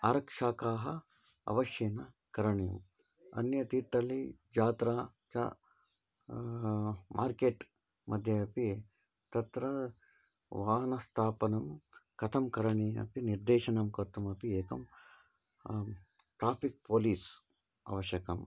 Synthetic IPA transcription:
aːɾɐkʂaːkaːɦɐ | ɐ̰ʋɐʃjeːnɐ | kɐɾɐɳejɐm | ɐ̰njɐt̪iːt̪ːɐlid͡ʒaːt̪ɾaː | t͡ʃa̰ | mʔaːɾkeːʈ | mʔɐd̪ʱjɐɐpi | t̪ɐt̪ɾɐ | ʋaːnɐst̪ʰaːpɐnɐmkɐt̪ʰɐmkɐɾɐɳiɐ̰piniɾd̪eːʃɐnɐmkɐt̪ɐmɐpieːkɐm | ʈɾaːpʰik̚poːliːs | ɐ̰ʋɐʃjɐkɐm

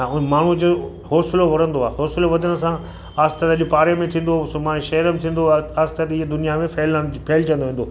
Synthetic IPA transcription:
ʊmaːɳ̤ud͡ʑoː | ɦoːsɪloʋɐɽ̤ə̃nd̪oaːɦoːsɪloʋɐd̪ʱənə̆sã | aːst̪ət̪ɐʄʊpaːɾemẽt̪ʰĩːn̆d̪osmãːeʃɐɾəm̃t̪ʰĩːn̆d̪oaːst̪ət̪ɪɦd̪ʊnijamẽfʰeːləpʰeːlt͡ɕɐ̃nd̪oɦĩːnd̪o

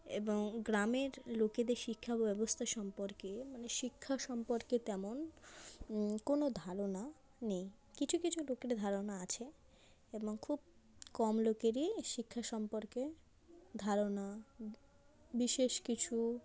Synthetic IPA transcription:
ḛboŋɡɾameɾloked̪eɾʃikʰːabɛbost̪ʰaʃɔmpoɾkemaneʃikʰːaʃɔmpoɾket̪ɛmon | konod̪ʱaɾona | nej | kit͡ɕʰukit͡ɕʰulokeɾd̪ʱaɾonaat͡ɕʰe | eboŋkʰubkɔmlokeɾiʃikʰːaʃɔmpoɾke | d̪ʱaɾona | biʃeʃkit͡ɕʰu

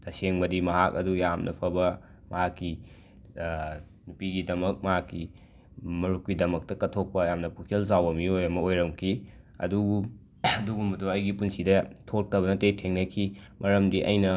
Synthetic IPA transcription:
tɐseŋbɐdimɐɦak̚ɐdujamnʔɐpʰɐbɐ | mɐhakːi | nupiɡidɐmɐk̚mɐɦakːi | mɐɾukwidɐmɐk̚tɐkɐtʰok̚pɐjamnɐpʰukʰelzawɐmiojɐmɐojɾɐmkʰi | ɐ̰duɡu | duɡumbɐduɐjɡipunsidɐtʰot̚kɐβɐnɐtejtʰeŋnɐkʰimɐɾɐmdiʔɐ̰jnɐ

